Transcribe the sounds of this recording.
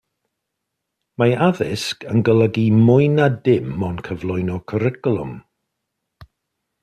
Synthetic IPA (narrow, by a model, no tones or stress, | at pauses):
maaðɪskənɡəlˠəɡimʊjnadɪmːɔnkʰəvlˠʊjnɔkʰəɾɪkəlˠʊ̰m